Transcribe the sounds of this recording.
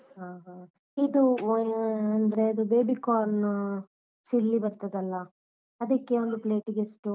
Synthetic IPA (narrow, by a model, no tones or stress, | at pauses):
ɦaːɦa | id̪u | ɐnd̪ɐɾeɐd̪ubeːbikaːɾn | t͡ʃilːibɐɾt̪ɐd̪ɐlːɐ | ɐd̪ɐkːe̞ond̪uple̞ːʈiɡesʈu